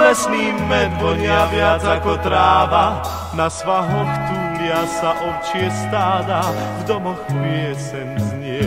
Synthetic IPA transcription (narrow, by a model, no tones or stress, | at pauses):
lɛsniːmɛt̪̚bɔɲɪaʋɪad͡zakɔt̪ɾaːʋa | nasʋaɦɔxt̪uːlɪasaʔɔwt͡ʃɪɛst̪aːd̪avd̪ɔmɔxpɾɪɛsɛnzɲɪɛ